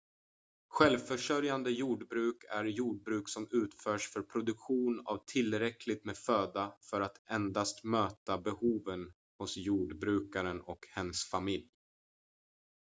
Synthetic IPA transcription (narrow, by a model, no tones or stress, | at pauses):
ɧɛlvfœʂœɾjand̪əjuːɖbɾʉ̟ːkʰæɾjuːɖ̚bɾʉːksɔmʉ̟ːt̪fœːʂfœɾpʰɾʊd̪ɵkɧuːna̰vt̪ʰɪlɾɛkʰlɪt̪meːd̪føːd̪afœɾat̪ʰɛnd̪ast̪møːt̪abɛhuːvən | hʊsjuːɖbɾʉ̟ːkaɾənɔkhɛnsfamɪlj